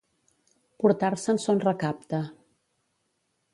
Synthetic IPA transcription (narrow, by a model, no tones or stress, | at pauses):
puɾt̪aɾsənsonrəkap̚t̪ə